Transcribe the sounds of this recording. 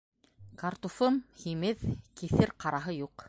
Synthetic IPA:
kart̪ufɤmhimɘðkiθɘɾqɑɾɑɦɤjuq

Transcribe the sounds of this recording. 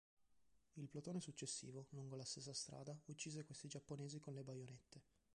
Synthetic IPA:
ilplot̪oːnesut͡ʃːesːḭːvoluŋɡolast̪esːast̪ɾa̰ːd̪aut͡ʃːiːzekwest̪id͡ʒapːoneːzikonlebajonet̪ːe

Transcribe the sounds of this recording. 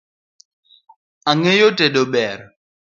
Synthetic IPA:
aŋejoteɗoɓɛɾ

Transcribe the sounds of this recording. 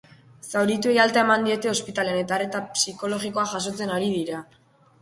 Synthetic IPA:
sawɾit̪ue̞jalt̪ae̞mand̪ie̞t̪e̞o̞spit̪ale̞ane̞t̪are̞t̪apsiko̞lo̞ɣiko̞aʝas̬o̞t͡se̞naɾið̞iɾa

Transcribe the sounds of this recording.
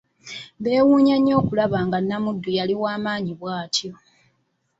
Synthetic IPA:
βe̞ːwuːɲaɲo̞ːkulaβaːŋɡanːamudːujaliwaːmaːɲiβwaːtjo̞

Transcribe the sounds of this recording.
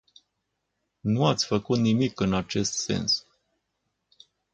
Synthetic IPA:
nuat̪sʲfəkut̪nimikɨnat͡ʃe̞st̪se̞̰ns

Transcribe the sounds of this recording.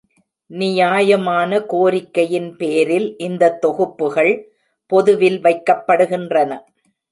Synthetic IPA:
nɪjaːjɐmaːnɐkoːɾɪkːɐjɪnpeːɾɪlʔɪnd̪ɐt̪ːɔɣɯpːɯɣɐɭ | pɔðɯʋɪlʋɐɪkːɐpːɐɽɯɣɪndrɐnɐ

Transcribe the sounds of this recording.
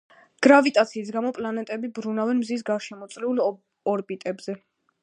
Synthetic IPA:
ɡ̥ɾavit̪ʼat̪sʰiːs̬ɡamɔpʼlanɛt̪ʼɛbibɾunavɛnmzis̬ɡaɾʃɛmɔt̪sʼlɛul | ɔɾbit̪ʼɛbz̥ɛ

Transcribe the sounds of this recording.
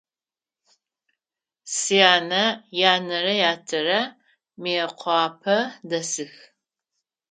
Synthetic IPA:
sijaːnɐjaːnɐɾɐjaːtʰɐrɐ | meɛqʷʰɑːpʰɐdɐsɨx

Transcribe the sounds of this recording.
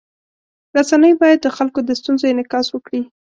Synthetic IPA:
ɾasanəjbɑjad̪̚ːəxalkod̪əst̪unzojenɪkɑswəkɽi

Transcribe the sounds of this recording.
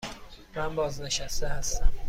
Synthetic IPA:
mænbɒːzne̞ʃæst̪ehæst̪æm

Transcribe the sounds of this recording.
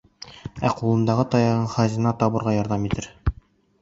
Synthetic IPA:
æqulˠɤ̆nd̪ɑʁɤt̪ɒjɑʁɤɴχɒzinɑt̪ɒβɤ̆ɾʁɑjɒɾðɑmit̪ɘɾ

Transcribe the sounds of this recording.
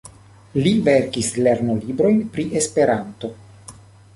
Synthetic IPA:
liveɾkisle̞ɾnolibɾo̞jnpɾiʔe̞spe̞ɾanto̞

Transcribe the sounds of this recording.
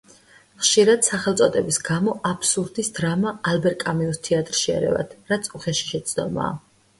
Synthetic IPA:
χʃiɾad̪̥saχɛlˠt̪sʼɔd̪ʼɛbisɡamɔʔapʰsuɾd̪isd̪ɾamaːlbɛɾkʼamiust̪ʰiat̪ʼɾʃiɛ̰ɾɛ̰va̰t̪ʰɾat̪sʰʼuχɛʃi̥ʃɛt̪sʰd̪ɔma̰ː

